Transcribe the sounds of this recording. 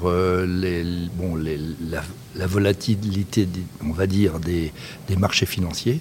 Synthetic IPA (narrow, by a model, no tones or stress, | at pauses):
ʁølebɔ̃lela | lavɔlat̪ʰilit̪ed̪eɔ̃vad̪iːʁd̪e | d̪̥emaʁʃefinɑ̃sje